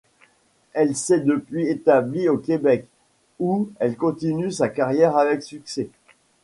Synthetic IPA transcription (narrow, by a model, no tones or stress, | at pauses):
ɛlsɛd̪əpɥiet̪abliokʲebɛk | uɛlkɔ̃t̪inysakaʁjɛʁavɛksyksɛ